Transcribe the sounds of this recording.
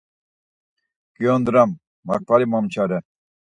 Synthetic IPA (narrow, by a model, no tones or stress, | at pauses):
kijond̪ɾamː | ak̚paɾimamt͡ɕʰaɾɛ